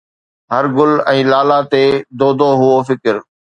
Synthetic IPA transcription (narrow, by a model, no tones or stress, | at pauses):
ɦəɾɡʊlɛ̃ːlaːlaːt̪eːd̪oːd̪oːɦʊofɪkɪɾ